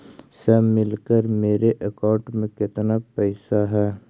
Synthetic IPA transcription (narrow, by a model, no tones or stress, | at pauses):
sɛmɪlkəɾmeːɾeʔɐkãːɳʈmẽkɪt̪napɛɪsaɦɛː